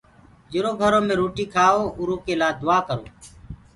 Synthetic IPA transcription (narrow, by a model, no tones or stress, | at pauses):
d͡ʒɪɾoːɡʱəɾoːmẽːɾoːʈiːkʰaːoːʊɾoːkeːlaːd̪ʊaːkəɾo̰ː